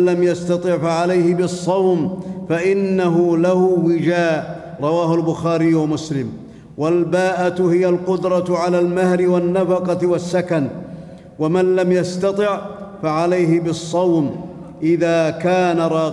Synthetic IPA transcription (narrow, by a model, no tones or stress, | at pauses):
lamjast̪ɑt̪ˤɨʕfaʕalajhɪbɨsˤːɑwmfaʔɪnːaɦʊlahʊwɪd͡ʒaːʔ | ɾˤɑwaːhʊlbʊxaːɾɪjwamʊslɪm | walbaːʔat̪hɪjalqʊd̪ɾˤɑtʕalaːlmahɾɪwanːafɑqɑwasːakan | wamanlamjast̪ɑt̪ˤɪʕfaʕalajɦɪbɨsˤːɑwm | ʔɪðaːkaːnaɾˤɑː